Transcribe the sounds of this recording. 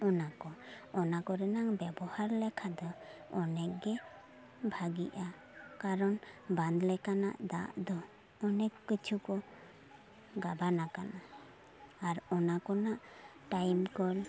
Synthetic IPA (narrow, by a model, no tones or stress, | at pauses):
ɔnakɔɔnakɔɾɛnaŋbɛbɔhaɾlɛkʰad̪ɔɔnɛʔɡɛ | bʱaɡiʔa | kaɾɔnband̪lɛkana̰ʔd̪aʔd̪ɔ | ɔnɛkːət͡ʃʰukɔ | ɡabanakanaː | ɾɔnakɔnaʔʈajmkɔl